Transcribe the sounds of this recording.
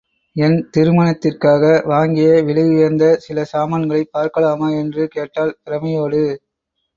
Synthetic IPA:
ɛnt̪ɪɾɯmɐnɐt̪ːɪrkaːɣɐʋaːŋɡɪjɐʋɪɭɯɣɯjɐɾnd̪ɐsɪlɐsaːmɐnɡɐɭɐɪpːaːɾkɐɭaːmaːɛndrɯkeːʈːaːlp̪ɪɾɐmɐjoːɽɯ

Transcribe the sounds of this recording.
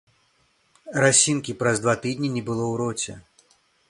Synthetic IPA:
ɾasʲinkʲipɾɐzd̪vat̪ɨd̪ʲnʲinʲɛbɨlˠɔwɾɔt͡sʲɛ̰

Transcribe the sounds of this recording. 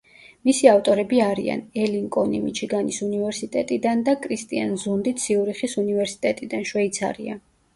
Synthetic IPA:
misiaft̪ʼɔɾɛbiaɾḭa̰nɛliŋkʼɔnḭmḭt͡ʃʰiɡanisunivɛɾsit̪ʼɛt̪ʼid̪and̪akʼɾist̪ʼianzund̪it̪siuɾiχisunivɛɾsi̥t̪ʼɛt̪ʼid̪anʃwɛit̪sʰa̰ɾḭa̰

